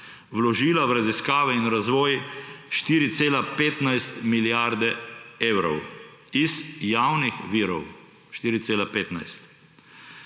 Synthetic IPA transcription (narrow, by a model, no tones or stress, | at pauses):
wlɔʒiːlawɾaziskaːʋɛinɾazʋɔːjʃt̪iːɾit̪seːlapeːt̪najst̪miljaɾd̪ɛeːwɾɔ̰w | izjawnixʋiːɾɔ̰w | ʃt̪iːɾit̪seːlapeːt̪na̰jst̪